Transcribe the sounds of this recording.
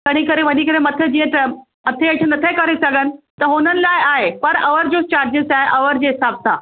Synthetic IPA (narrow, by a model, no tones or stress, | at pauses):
k̪əɽ̃ikəɾeʋənikəɾemɐt̪ʰjəd͡ʑijẽt̪ə | ət̪ʰeeʈʰənət̪ʰekəɾesəɡənɪ̆t̪əɦonənlajaːɦepəɾəʋəɾd͡ʑost͡ɕaɾd͡ʑəsaɦeʔɐʋəɾd͡ʑesab̚t̪a̰